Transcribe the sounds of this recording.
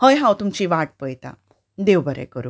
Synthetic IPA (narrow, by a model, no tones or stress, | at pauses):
həjɦãwt̪umt͡ɕiːʋaʈ̚pəjt̪a̰ | d̪ewbəɾɛ̰kəɾu